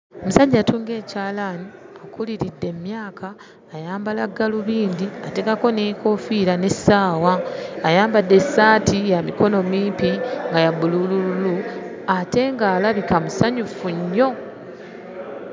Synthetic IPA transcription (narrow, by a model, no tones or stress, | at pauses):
omusaɟatuːŋɡe̞ːcaːlaniakuliɾidːe̞mjaːkʰaː | jaːmbalaɡːaluβiːndiate̞kako̞neːko̞fiːɾane̞saːwaːjaːmbadːe̞saːtʰijamiko̞no̞miːmpiŋɡajabululululu | ate̞ŋɡaːlaβikamusaɲufuɲːo̞